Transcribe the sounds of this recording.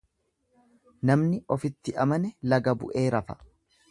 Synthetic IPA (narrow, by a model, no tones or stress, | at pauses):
nɐmnɪʔɔfɪt̪ːɪʔɐmɐnɛlɐɡɐbʊ̰ʔe̞ːɾɐfɐ̥